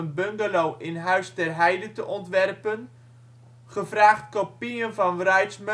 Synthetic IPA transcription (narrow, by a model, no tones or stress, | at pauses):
ənbøŋɡəlowʔɪnɦœɥstɛrɦɛjdətəʔɔntʋɛrpən | χəvraːχtkopiənvɑnʋrœɥtsm